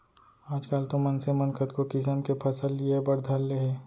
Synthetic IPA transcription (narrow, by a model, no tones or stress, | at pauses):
aːd͡ʒkaːlt̪omɐnsemɐnkət̪kokɪs̬əmkepʰɐsəlːiebɐɾd̪ʱalːeɦeː